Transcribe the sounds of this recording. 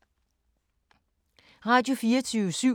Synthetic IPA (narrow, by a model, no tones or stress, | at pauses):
ʁɑ̈ːd̥jo̝fiːɐt͡sʰyːʋəsy̰